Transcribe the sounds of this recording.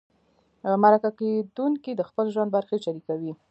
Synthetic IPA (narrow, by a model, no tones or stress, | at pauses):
maɾakaked̪uŋkid̪əxpəlʒwand̪baɾxeʃaɾikawi